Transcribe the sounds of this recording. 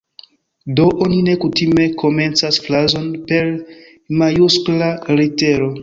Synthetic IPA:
do̞ʔonine̞kutime̞kʰo̞me̞nt͡sasflazo̞npe̞ɾ | majusklaɾete̞ɾo̞

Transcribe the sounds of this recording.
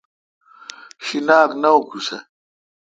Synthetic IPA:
ɕinaːknɐokʰusḛ

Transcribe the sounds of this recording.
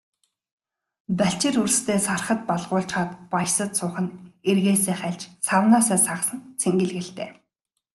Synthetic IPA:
pæɬt͡ɕɪ̆rurst̪ʰeːsarχə̆t̪̚pɔɮʁ̥ʊːɬt͡ɕχaːt̪pajsə̆t̪sʊːχə̆nerɣeːseːχæɮt͡ɕsawnaːsaːsasə̆nt͡sʰeŋɡɘ̆ɮɣɘ̆ɬt̪ḛː

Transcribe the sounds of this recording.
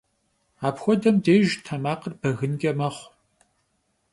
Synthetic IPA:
aːpxʷɔdɐmdeːʒtʰɐmaːqərbɐɣɨnɡʲɐmɐχʷ

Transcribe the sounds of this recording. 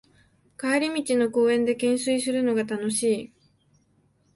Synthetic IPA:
kaeɾʲimʲit͡ɕino̞ko̞ːẽ̞nd̪e̞kẽ̞ɰ̃sɨisɨɾɯ̟no̞ɡat̪ano̞ɕiː

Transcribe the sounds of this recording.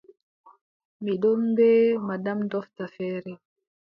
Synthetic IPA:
miɗɔmbɛːmadamdɔftafɛːɾɛ

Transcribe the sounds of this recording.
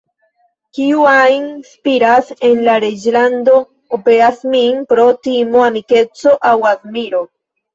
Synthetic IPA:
kiuajnspiɾase̞nlaɾed͡ʒland̪o̞ | opeɾasminpɾot̪imoanike̞t͡soʔawaðmiɾo

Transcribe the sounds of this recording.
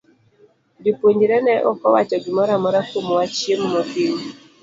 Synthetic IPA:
dipoɲd͡ʒɾɛnɛʔɔ̰kɔwat͡ʃɔɡɪmɔɾamɔɾakomwat͡ʃjemːɔtiŋ

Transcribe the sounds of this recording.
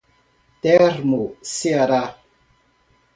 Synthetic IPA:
teɾmusiaɾa

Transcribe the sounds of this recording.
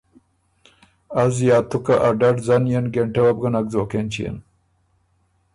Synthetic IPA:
azjɑːt̪ʊkaʔaɖaɖzanjenɡeɳʈewab̚ɡanaɡzoːkent͡ʃijḛn

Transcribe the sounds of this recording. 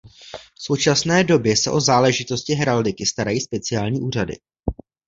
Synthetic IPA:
fso̞wt͡ʃasnɛːdo̞bjɛsɛʔo̞zaːlɛʒɪt̪o̞scɪɦɾaldɪkɪst̪aɾajiːspɛt͡sɪaːlɲiːʔuːradɪ̰

